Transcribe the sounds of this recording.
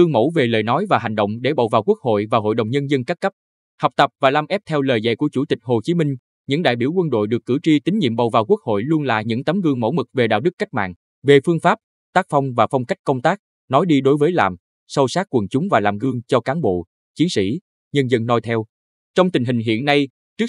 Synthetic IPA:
ɣɨ˧əŋmo̰˧˥ve˨˩lə̰ː˨jnɔ˨˦jvaː˨˩ɦa˨˩jŋ̟ɗə̰˧˨wŋ͡mɗe˧˩ɓa̰˨˩wvaː˨˩wku˦˥ək̚ho̰˧˨jvaː˨˩ɦo̰˧˨jɗə˨˩wŋ͡mɲə˧nzə˧nkaː˦˥k̚ːə˦˥p̚ | hɔ˨˩wk͡p̚t̪ə˨˩p̚vaː˨˩laː˧˩mʔɛ˦˥p̚t̪ʰɛ˧wləː˨˩jzə̰˧˨jku˧˩ət͡ɕu˧˩t̪ï˨˩k̟̚ho˨˩t͡ɕi˨˦mï˧ŋ̟ | ɲɨ̰˧˥ŋɗa̰ː˧˨jɓi˧˩əwkwə˧nɗo̰˧˨jɗɨ˨˩əkːɨ̰˧˩t͡ɕi˧t̪ï˨˦ŋ̟ɲḭ˧˨mɓa˨˩wvaː˨˩wku˦˥ək̚ho̰˧˨jlu˧ənla̰ː˧˨ɲɨ̰˧˥ŋt̪ə˨˦mɣɨ˧əŋmo̰˧˥˩mɨ˨˩k̚ve˨˩ɗa̰ː˧˨wɗɨ˦˥k̚ːa˦˥jk̟̚ma̰ː˧˨n | ve˨˩fɨ˧əŋfaː˦˥p̚ | t̪aː˦˥k̚fa˧wŋ͡mvaː˨˩fɔ˧wŋ͡mka˦˥k̚kə˧wŋ͡mt̪aː˦˥k̚ | nɔ˨˦jɗi˧ɗo˨˦jvəː˨˦jlaː˨˩m | sə˧wsaː˦˥k̚kwə˨˩nt͡ɕʊ˨˦ŋ͡mvaː˨˩laː˨˩mɣɨ˧əŋt͡ɕɔ˧kaː˨˦nɓo̰˧˨ | t͡ɕi˨˦ənsḭ˧˥ | ɲə˧nzə˧nːɔ˧jt̪ʰɛ˧w | t͡ɕɔ˧wŋ͡mt̪ï˨˩ŋ̟ɦï˨˩ŋ̟ɦḭ˧˨ənːa˧j | t͡ɕɨ˦˥ə

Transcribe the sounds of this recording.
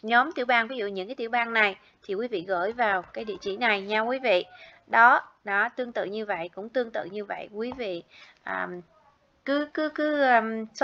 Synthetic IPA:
ɲɔ˨˦mt̪ḭ˧˩əwɓaː˧nvi˨˦zṵ˧˨ɲɨ̰˧˥ŋkaː˨˦jt̪i˧˨˩wɓaː˧nna˨˩j | t̪ʰi˨˩kwi˨˦vḭ˧˨ɣəː˧˩jvaː˨˩wkaː˨˦jɗḭ˧˨ət͡ɕḭ˧˩na˨˩jɲaː˧kwi˨˦vḭ˧˨ | ɗɔ˨˦nɔ˨˦t̪ɨ˧əŋt̪ɨ̰˧˨ɲɨ˧və̰˧˨jkʊ̰˧˥ŋ͡mt̪ɨ˧əŋt̪ɨ̰˧˨ɲɨ˧və̰˧˨jkwi˨˦vḭ˧˨ʔəː˨˩m | kɨ˨˦kɨ˨˦kɨ˨˦ʔːms

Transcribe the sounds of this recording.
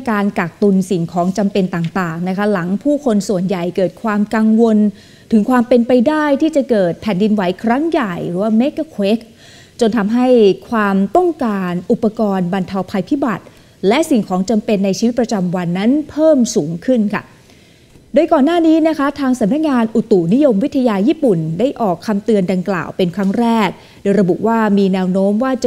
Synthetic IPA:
kaː˧nka˨˩k̚t̪u˧nsi˨˩ŋkʰɔː˩˦ŋt͡ɕa˧mpe˧nt̪aː˨˩ŋt̪aː˨˩ŋna˦˥kʰa˦˥la˩˦ŋpʰuː˥˩kʰo˧nsu˨˩ənja˨˩jkɤː˨˩t̪̚kʰwaː˧mka˧ŋwo˧n | t̪ʰɯ˩˦ŋkʰwaː˧mpe˧npa˧jdaː˥˩jt̪ʰiː˥˩t͡ɕa˨˩kɤː˨˩t̪̚pʰɛ˨˩ndi˧nwa˩˦jkʰɾa˦˥ŋja˨˩jɾɯː˩˦waː˥˩me˦˥ka˧˥˩kʰwe˦˥k̚ | t͡ɕo˧nt̪ʰa˧mɦa˥˩jkʰwaː˧mt̪ɔ˥˩ŋkaː˧nʔu˨˩pːa˧kɔː˧nba˧nt̪ʰa˧wpʰa˧jpʰi˦˥ba˨˩t̪̚ | lɛ˦˥ʔsi˨˩ŋkʰɔː˩˦ŋt͡ɕa˧mpe˧nːa˧jt͡ɕʰi˧wt̪̚pɾa˧t͡ɕa˧mwa˧nːa˦˥npʰɤː˥˩msuː˩˦ŋkʰɯ˥˩nkʰa̰˥˩ | doː˧jkɔː˨˩nːaː˥˩niː˦˥na˦˥kʰa˦˥t̪ʰaː˧ŋsa˨˦mna˦˥k̚ŋaː˧nʔu˨˩t̪u˨˩ni˦˥jo˧mwi˦˥t̪ʰːa˧jaː˧jiː˥˩pu˨˩nda˥˩jʔɔː˨˩kʰːa˧mt̪ɯ˧ənda˧ŋkla̰ː˨˩wpe˧nkʰɾa˦˥ŋɾɛː˥˩k̚ | doː˧jɾa˧bṵ˨˩ʔwaː˥˩miː˧nɛː˧˥wnoː˦˥mwaː˥˩t͡ɕa˨

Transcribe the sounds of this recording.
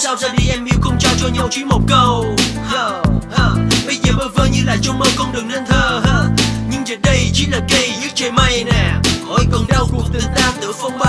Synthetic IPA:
saː˧wzaː˧ɗi˧˩ʔɛ˧mni˧˦wxə˧wŋ͡mt͡ɕɔ˧t͡ɕɔ˧ɲa˧wt͡ɕi˧˦mo˨˩t̚kə˧wha˧ha˧˩ɓə˧jzəː˨˩ɓəː˨˧˩vəː˧˩ɲɨ˧laː˨˩t͡ɕɔ˧wŋ͡mmə˧wkɔ˧ŋ͡mɗɨ˨˩əŋzə˧nt̪ʰəː˧˩haː˧ɲɨ˧ŋzə˨˩˦n̚ɗə˧jt͡ɕi˧˥laː˨˩kə˧jzɨ̰˦˧˥t͡ɕə˧˩ma˧jnɛ˨˩hɔ˧˩jkɔ˨˩nɗa˧wku˨˩əŋ̚t̪ɨ˨˧˩t̪aː˧t̪ɨ̰˧˦fə˧wŋ͡mɓa˧

